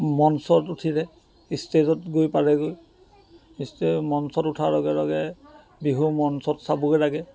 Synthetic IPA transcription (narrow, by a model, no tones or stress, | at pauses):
mɔnsɔtutʰiɹɛ | istezɔtɡojpaɹɛɡoj | istemɔnsɔtutʰalɔɡɛlɔɡɛ | biɦumɔnsɔtsabuɡɛlaɡɛ